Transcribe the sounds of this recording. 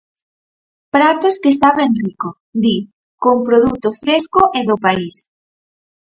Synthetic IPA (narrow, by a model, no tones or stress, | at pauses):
pɾat̪oskesaβenriko | d̪i | koŋpɾoðut̪ʊfɾeskʊʔeðʊpais